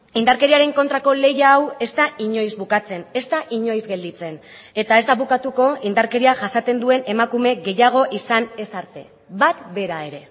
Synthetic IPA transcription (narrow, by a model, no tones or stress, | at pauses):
ind̪aɾke̞ɾiaɾe̞ŋko̞nt̪ɾako̞le̞jaːwe̞st̪aʔiɲo̞jzbukat͡se̞ne̞st̪aʔiɲo̞jzɡe̞ld̪it͡se̞n | e̞t̪aezd̪aβukat̪uko̞ind̪aɾke̞ɾiaʝasat̪e̞nd̪ue̞ne̞makume̞ɣe̞jaɣ̞o̞ʔisane̞saɾt̪e̞ | βat̪be̞ɾae̞ɾe̞